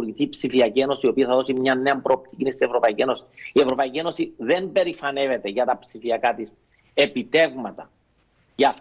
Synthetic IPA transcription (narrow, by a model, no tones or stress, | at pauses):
ɾʝiθiːpsifiɐcieno̞sio̞piɐθɐðo̞simɲɐnːe̞ɐmpɾo̞ːp̚t̪icinist̪ievɾo̞pɐicie̞no̞si̥ie̞vɾo̞pɐicie̞no̞siðe̞mbe̞ɾifɐne̞ve̞t̪e̞ʝɐt̪ɐpsifiɐkat̪is | e̞pit̪e̞vmɐt̪ɐ | ʝɐf